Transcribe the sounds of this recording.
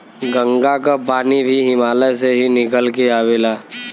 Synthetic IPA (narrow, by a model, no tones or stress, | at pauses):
ɡə̃ŋɡakapaːnibʱiɦɪmaːleseɦinɪkəlkeaːʋeːlaː